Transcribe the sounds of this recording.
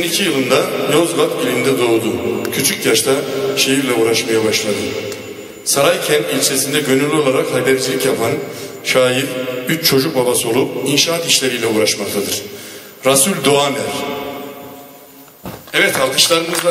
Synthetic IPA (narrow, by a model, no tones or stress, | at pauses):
inicʰijɯlˠɯnd̪ajozvapilʲind̪ɛd̪o̞ːd̪ucʰyt͡ʃʰycjaʃt̪ʰaʃe̞jiɾlʲɛuːɾaʃmajabaʃlˠad̪ɯ | saɾajcʰɛnt̪ilʲt͡ʃʰe̞sind̪ɛɟø̞nylʲo̞lˠaɾakhajbeɾd͡ʒilʲicjapʰan | ʃaːjiɾbyt͡ʃt͡ʃʰo̞d͡ʒuk̚babaso̞lˠup̚inʃaːat̪iʃlʲe̞ɾijːlʲɛuːɾaʃmak̚t̪ʰad̪ɯɾ̥ | ɾasulʲd̪oamæɾ̥ | ɛvɛt̪ʰalˠt̪ʰɯ̥ʃlˠaɾɯmɯzd̪a